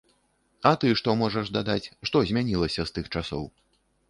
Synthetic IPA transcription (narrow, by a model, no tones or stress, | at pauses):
ɐt̪ɨʂt̪ɔmɔʐɐʐd̪ad̪at͡sʲʂt̪ɔzʲmʲanʲilˠɐsʲɐst̪ɨxt͡ʂasɔ̰w